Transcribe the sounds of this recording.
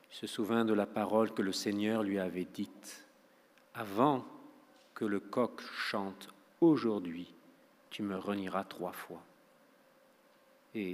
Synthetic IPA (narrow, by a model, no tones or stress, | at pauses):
isəsuvjɛ̃d̪əlapaʁɔlkələseɲœʁlɥiavɛd̪it̪ | avɑ̃ | kələkɔkʃɑ̃t̪ | oʒuʁd̪ɥi | t̪yməʁəniʁat̪χwafwa | e